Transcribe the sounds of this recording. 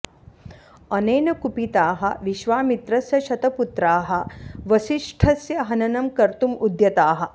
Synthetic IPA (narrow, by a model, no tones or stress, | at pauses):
ɐneːnɐkupit̪aːɦɐ̰ʋiʃʋaːmit̪ɾɐsjɐʃɐt̪ɐput̪ɾaːɦɐ̆ʋɐʃiʂʈʰɐsjɐɦɐnɐnɐmkɐɾt̪umud̪jɐt̪aːɦɐ̆